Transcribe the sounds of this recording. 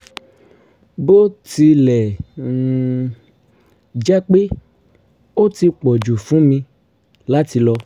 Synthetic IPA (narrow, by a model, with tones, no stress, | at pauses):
bo˦ti˧lɛ˨ | d͡ʒa˦k͡pe˦ | o˦ti˧k͡pɔ˨d͡ʒu˨fũ˨˦mĩ˧ | la˨˦ti˧lɔ˧